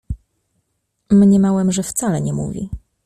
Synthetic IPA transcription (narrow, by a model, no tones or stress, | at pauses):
mɲɛmawɛmʐɛft̪salɛɲɛmṵvʲḭ